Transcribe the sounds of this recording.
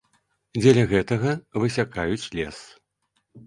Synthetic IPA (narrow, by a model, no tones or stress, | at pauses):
d͡zʲɛlʲɐɣɛt̪ɐɣɐvɨsʲakajut͡sʲlʲɛs